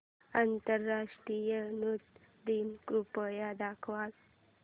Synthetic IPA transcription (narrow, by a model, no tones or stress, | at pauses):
ant̪əɾːaʂʈɾijənut̪ | d̪inkɾupəjad̪akʰʋal